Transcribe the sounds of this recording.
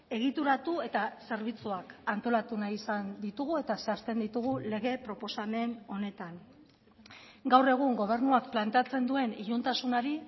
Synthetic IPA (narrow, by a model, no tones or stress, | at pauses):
e̞ɣ̞it̪uɾat̪ue̞t̪ase̞ɾβ̞it͡suakant̪o̞lat̪unajisand̪it̪uɣ̞ue̞t̪aseast̪e̞nd̪it̪uɣ̞ule̞ɣe̞pɾo̞po̞same̞no̞ne̞t̪aŋ | ɡawre̞ɣ̞uŋɡo̞β̞e̞ɾnuakplant̪e̞at͡se̞nd̪ue̞niʎunt̪asunaɾi